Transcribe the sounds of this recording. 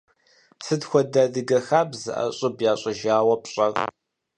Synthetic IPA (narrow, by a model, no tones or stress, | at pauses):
sɨdxʷɔdadɨɡɐxaːbzɨ̰ʔɐ̰ɕʼɪbjaːɕʼɪʒaːwɐpɕʼɐr